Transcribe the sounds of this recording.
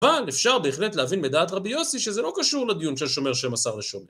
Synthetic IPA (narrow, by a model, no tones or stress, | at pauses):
avalefʃaʁbe̞ːχle̞tleavinmed̪aːt̪ʁabijo̞siʃezelokaʃuʁlad̪ijunʃelʃo̞me̞ʁʃemasaʁleʃome